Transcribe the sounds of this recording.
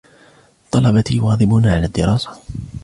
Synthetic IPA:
t̪ˤɑlɑbat̪iːjwɑːd̪ˤɪbʊnʕalaːd̪ːɪɾˤɑːsḁ

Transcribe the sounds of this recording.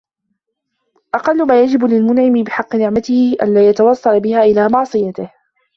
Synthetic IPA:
ʔɑqɑlːʊmaːjad͡ʒɪblɪlmʊnʕɪmɪbɪħɑqːɨnɪʕmat̪ɪhɪʔa̰nlaːjat̪ɑwɑsˤːɑlbɪhaːʔɪlaːmɑʕsˤɨjat̪ɪh

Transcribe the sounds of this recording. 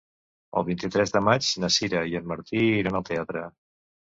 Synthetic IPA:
ə̰lˠβint̪it̪ɾɛzðəmad͡ʒnəsiɾəjənməɾt̪iɾanəlˠt̪eat̪ɾə

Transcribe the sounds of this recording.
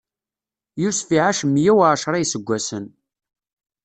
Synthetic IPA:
jusfiʕaʃəmːjæwʕʃɾˤɑjsəɡʷːæsən

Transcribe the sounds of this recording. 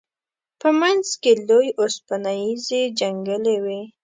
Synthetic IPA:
pəmanzkelojospanajized͡ʒaŋɡəlewi

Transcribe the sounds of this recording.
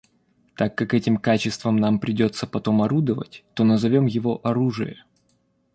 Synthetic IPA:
t̪akːakɛtʲɪmkat͡ɕɪst̪vəmnampɾʲɪdʲo̞t̪sːəpɐt̪o̞mɐɾud̪əvə̰tʲt̪o̞nəzɐvʲo̞mjɪvo̞ʔɐɾuʐɨ̰jə̰

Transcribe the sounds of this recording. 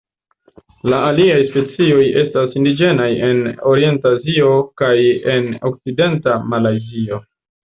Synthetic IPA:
laaliajspe̞t͡sio̞je̞stasindid͡ʒe̞naje̞no̞ɾie̞ntazio̞kaje̞no̞̰k̚t͡side̞ntamalajzio̞

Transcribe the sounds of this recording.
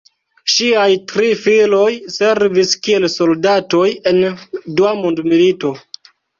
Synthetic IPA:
ʃiajtɾifilo̞jse̞ɾviskie̞lso̞ldato̞je̞nduamundmilito̞

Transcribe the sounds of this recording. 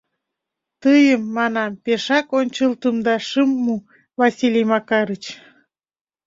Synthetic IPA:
t̪əjəmːɑnɑmpeʃɑkonʲt͡ɕəlt̪əmd̪ɑʃəmːu | vɑsʲilʲijmɑkɑɾət͡ɕ

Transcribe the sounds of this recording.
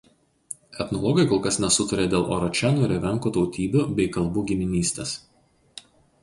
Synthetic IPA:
ɛt̪nɔlˠɔɡɐɪkɔlˠkɐsnʲɛsʊt̪ɐɾʲeːd̪ʲeːlˠʔo̰ɾɔt͡ʃʲænuːɾʲɛʋʲɛŋˑkuːt̪ɒʊt̪ʲiːbʲuːbʲɛɪkɐlˠˑbuːɡʲɪmʲɪnʲiːsʲt̪ʲes

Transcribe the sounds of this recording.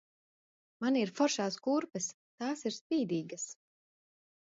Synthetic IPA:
maniɾfɔɾʃaːskuːɾpɛs | t̪aːsiɾspiːd̪iːɡɐs

